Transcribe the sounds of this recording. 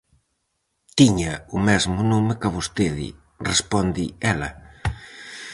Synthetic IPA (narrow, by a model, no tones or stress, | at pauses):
t̪iɲɐʊmɛzmʊnomɪkaβost̪eðɪ̰ | respɔnd̪iɛlɐ